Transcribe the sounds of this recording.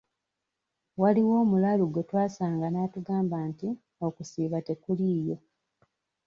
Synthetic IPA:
waliwoːmulaluɡwe̞twaːsaːŋɡanaːtuɡaːmbaːnti | o̞kusiːβate̞kuliːjo̞

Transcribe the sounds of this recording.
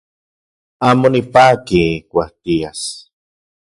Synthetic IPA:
aːmonipaːkikʷaht̪ias

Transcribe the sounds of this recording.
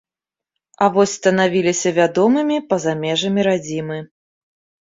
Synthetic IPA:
ɐvɔsʲst̪ɐnavʲilʲisʲɐvʲad̪ɔmɨmʲipɐzamʲɛʐɐmʲiɾad͡zʲimɨ

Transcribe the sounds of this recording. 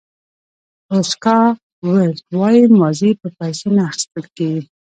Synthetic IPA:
oskɑ | wəlwɑjimɑzipəpajsenaːxɪ̥st̪əlkeɡi

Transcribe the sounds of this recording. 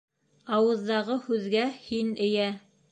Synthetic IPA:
ɑwɤ̆ðːɑʁɤhʉðɡæhinɘ̆jæ

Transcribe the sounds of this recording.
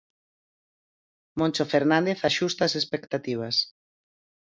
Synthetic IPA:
mõnt͡ʃofeɾnãnd̪eθaʃust̪ɐsespekt̪at̪iβ̞ɐs

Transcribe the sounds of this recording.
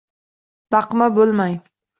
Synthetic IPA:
d̪ɑqmabolˠmaj

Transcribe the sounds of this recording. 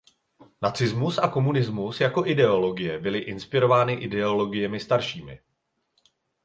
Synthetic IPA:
nat͡sɪzmusʔako̞munɪzmusjako̞ʔɪdɛo̞lo̞ɡɪjɛbɪlɪʔɪnspɪɾo̞vaːnɪʔɪdɛo̞lo̞ɡɪjɛmɪst̪aɾʃiːmɪ̰

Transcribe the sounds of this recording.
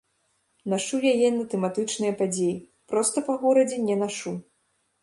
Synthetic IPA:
naʂujajɛnɐt̪ɛmat̪ɨt͡ʂnɨjɐpad͡zʲeji | pɾɔst̪ɐpɐɣɔɾɐd͡zʲɛnʲɛnaʂu

